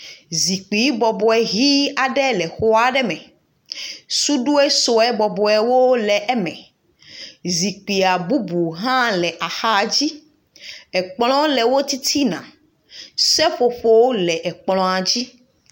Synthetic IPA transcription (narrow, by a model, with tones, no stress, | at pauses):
zi˨k͡pi˨˦bɔ˨bɔ˨ɛ˨ɦi˦a˨ɖɛ˦lɛ˨xo˦a˦ɖɛ˦mɛ̃˨ | su˦ɖu˦e˦so˨ɛ˦bɔ˨bɔ˨ɛ˨wo˦lɛ˨ʔɛ˦mɛ̰̃˨ | zi˨k͡pi˨a˨bu˦bu˨ɦã˦lɛ˨ʔa˨xa˦˨d͡ʑi˦ | ɛ˨k͡plɔ̃˦lɛ˨wo˦t̪i˦t̪ʰi˦nã̰˨ | sɛ˦ɸo˨ɸo˦lɛ˨ʔɛ˨k͡plɔ̃˨a˨d͡ʑi˦